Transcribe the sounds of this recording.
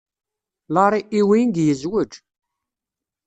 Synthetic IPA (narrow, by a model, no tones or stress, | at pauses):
lɑɾˤiʔiwinɡjəzwəd͡ʒ